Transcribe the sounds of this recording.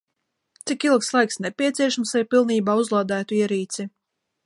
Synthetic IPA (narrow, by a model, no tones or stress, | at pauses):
t̪sikilˠkslˠajksnɛpʲiɛt̪siɛʃamsajpilˠniːbaːuzlˠaːd̪æːt̪uiɛɾiːt̪sʲi